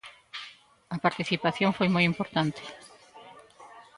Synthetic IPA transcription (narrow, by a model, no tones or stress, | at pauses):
ɐpaɾt̪iθipaθjoŋfojmojimpoɾt̪ant̪ɪ̥